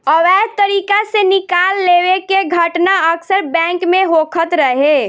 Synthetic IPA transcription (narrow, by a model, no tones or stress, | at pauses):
ɔʋɛɦt̪əɾikasenɪkalːewekeɡʱəʈnaəksəɾbɛ̃ŋkmeɦokʰət̪ɾəɦe